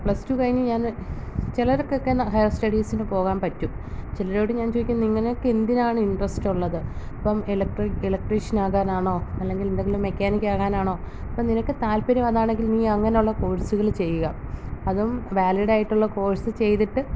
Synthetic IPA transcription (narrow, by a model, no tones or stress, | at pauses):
pɭɐstukɐɻiɲːɐɲaːnt͡ɕilɐɾokːeokːenɐhɐjɐsʈɐɽiːsinɨpo̞ːɣaːnpɐtːum | t͡ɕilɐɾoːɽuɲaːnt͡ɕoːjikʲːunːɐiŋːɐnejokːeend̪inaːɳɨiɳɖrɐstuɭːɐðɨɐpːɐmelɐkʈrelɐk̚ʈriʂɐnaːɣaːnaːɳo̞ːɐlːe̞ŋɡilind̪e̞ŋɡilumːe̞kʲːaːnikʲːaːɣaːnaːɳo̞ː | ɐpːɐmninɐkːɨt̪aːlpɐɾimɐðaːɳe̞ŋɡilniːɐŋːɐnejuɭːɐko̞ːɻsuɣɐɭt͡ɕe̞jːuɣɐɐðumʋaːliɽaːjiʈːuɭːɐko̞ːɻsɨt͡ɕe̞jt̪iʈːɨ